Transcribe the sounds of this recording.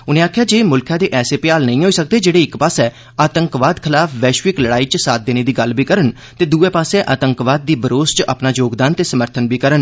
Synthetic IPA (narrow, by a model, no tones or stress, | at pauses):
ʊnẽːaːkʰjaːd͡ʒeːmʊlkʰjãːd̪eːʔɛːseːpɪjaːlnə̃ĩːɦoːiːsək̚d̪eːd͡ʒeːɽeːɪkpaːsɛː | aːt̪əŋkʋaːd̪kʰɪlaːpʰʋɛːʃʋɪkləɽaːiːt͡ʃsaːt̪̚d̪eːneːd̪iːɡəlbiːkəɾən | t̪eːd̪uːɛːpaːsɛʔaːt̪əŋkʋaːd̪̚ːiːbəɾoːst͡ʃʔa̰pnaːd͡ʒoːɡd̪aːnt̪eːsəməɾt̪ʰənbiːkəɾən